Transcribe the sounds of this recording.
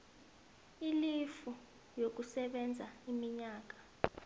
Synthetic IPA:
ilifu | jok̬usɛɓɛnd͡zʱaimiɲaːk̬ḁ

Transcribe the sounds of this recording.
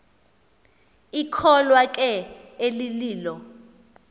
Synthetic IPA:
ikʰɔlwakʼɛeliliːlɔ

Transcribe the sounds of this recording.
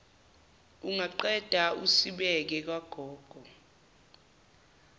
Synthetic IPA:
uŋaǃɛd̥ʱausiɓɛk̬ɛk̬waɡ̥ʱɔːɡ̥ʱɔ

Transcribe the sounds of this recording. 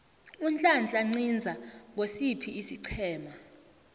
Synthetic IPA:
unt͡ɬʼand͡ɮʼaŋ͡ǀind͡zʱaŋʱosipʰiisiǀʰɛːma

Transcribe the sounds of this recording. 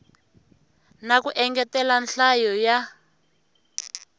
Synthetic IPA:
nakuʔɛŋɡɛtɛlanɬajɔja

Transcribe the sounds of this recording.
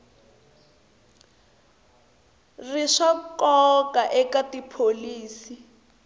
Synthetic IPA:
riʂakɔkaʔɛkatipʰoliːsi

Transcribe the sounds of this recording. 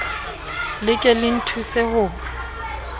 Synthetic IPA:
lɪkʼɛlɪn̩tʰusɛhʊ

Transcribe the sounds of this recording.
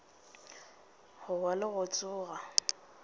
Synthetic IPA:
hʊwalɪɣʊt͡sʼʊːɣa

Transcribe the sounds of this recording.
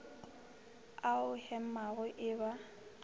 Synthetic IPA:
aʊhɛm̩maɣʊʔɪba

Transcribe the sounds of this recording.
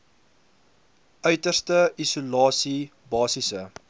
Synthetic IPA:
œɥtərstəisulɑːsi | bɑːsisə

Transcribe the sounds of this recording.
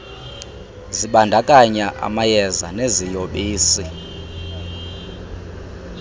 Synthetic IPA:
ziɓandʱakʼaɲaʔa̰majɛza̰nezijoɓiːsi

